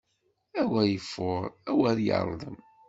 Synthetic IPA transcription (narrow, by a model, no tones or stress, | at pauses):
æwæjəfːʊʁˤæwæɾjɑ̰ɾˤðˤə̰m